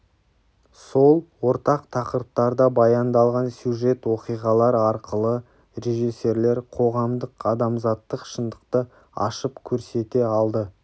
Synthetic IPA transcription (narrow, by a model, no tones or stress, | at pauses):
so̞lˠwo̞ɾt̪ɑqt̪ʰɑqəɾəp̚t̪ɑɾd̪ɑbɑjɑnd̪ɑlˠʁɑnsjuʒe̞t̪wo̞qijʁɑlˠɑɾɑɾqəlˠə | re̞ʒise̞ɾle̞ɾqʰo̞ʁɑmd̪əqɑd̪ɑmzɑt̪ːəqʃənd̪əqt̪ə | ɑ̰ʃəpkʲʰɵɾse̞t̪e̞ɑlˠd̪ə